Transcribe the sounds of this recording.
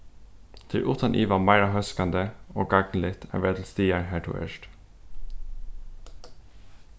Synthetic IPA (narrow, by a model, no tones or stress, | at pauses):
t̪ʰɪ̰ʔuːt̪ʰɑnʔiːʋɑmæɪɾɑɦœskɑnd̪əoːɡɑɡn̩lɪt̪ʰæ̰ʋed̪l̩st̪iːəɹhæːʈʰʊ̰ːḛʃʈ